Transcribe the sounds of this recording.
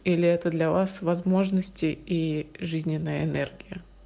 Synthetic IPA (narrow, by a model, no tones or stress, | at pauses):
ilʲɪɛt̪əd̪lʲɐvasvɐzmo̞ʐnəsʲtʲɪiʐɨzʲnʲɪnːəjəɪnɛ̰rɡʲɪjə